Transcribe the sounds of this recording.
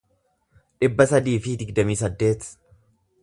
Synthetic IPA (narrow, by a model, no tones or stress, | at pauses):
ᶑɪbːɐsɐd̪iːfɪd̪ɪɡd̪ɐmiːsɐd̪ːe̞ːt̪